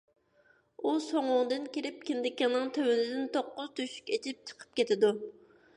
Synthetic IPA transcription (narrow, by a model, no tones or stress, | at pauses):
usoŋʊŋd̪ɨnkʲiɾɪp̚kʲind̪ɪkʲːiŋnɨŋt̪ʰøwynɪd̪ɪnt̪ʰoqːʊz̥t̪ʰyʃy̥kʲet͡ʃʰɪp̚t͡ʃʰə̥qʰə̥p̚kʲɛt̪ʰɪd̪u